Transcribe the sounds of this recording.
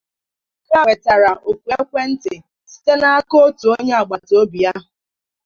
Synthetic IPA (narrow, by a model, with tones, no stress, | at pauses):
ka˦e˨ta˨ɾa˨ʔo˨kʷe˦kʷe˦n̩˦tɪ˨ | si̥˦te˦na˦a˦ko˦tu˨o˦ɲe˦a˨ɡ͡ba˨to˦bi˨ja˦ɦʊ˨